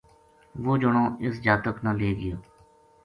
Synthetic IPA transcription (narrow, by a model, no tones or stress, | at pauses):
ʋoːd͡ʒʊɳõːɪsd͡ʒaːt̪əknãːleːɡɪjoː